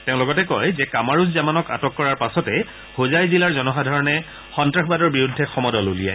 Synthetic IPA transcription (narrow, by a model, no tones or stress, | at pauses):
teʊ̃lʊɡɔtɛkɔjzɛkamaɹuszamanɔka̰tɔkːɔɹaɹpasɔtɛ | hozajzilaɹzɔnɔxadʱaɹɔnɛ | xɔntɹaxbadɔɹbiɹudʱːɛxɔmɔdɔlolija̰j